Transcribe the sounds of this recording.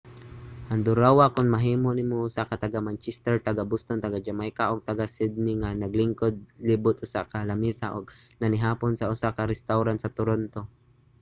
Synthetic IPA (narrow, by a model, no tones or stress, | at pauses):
ʔand̪ʊɾawakʊnmaɦiːmonɪmosakat̪aɡamant͡ʃɛst̪ɛɹt̪aɡabʊst̪ont̪aɡad͡ʒamajkaʔoɡ̚t̪aɡasɪd̪̚nɪŋanɐɡlɪŋkod̪̚lɪbʊt̪ʊsa̰kalamisaʔoɡ̚nanɪɦaːponsaʊsakaɾɛst̪awɾansɐt̪ʊɾont̪o